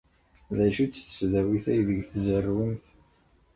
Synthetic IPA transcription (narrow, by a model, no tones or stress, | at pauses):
ðæʃut͡sːθə̥fðæwiθæjðəɡθzərːwəmθ